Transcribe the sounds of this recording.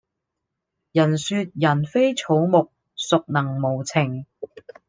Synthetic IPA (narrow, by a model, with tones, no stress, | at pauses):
jɐ˨˩nsyː˧t̚jɐ˨˩nfe˥jt͡sʰo˨˧˥wmʊ˨k̚ | sʊ˨k̚nɐ˨˩ŋmo˨˩wt͡sʰɪ˨˩ŋ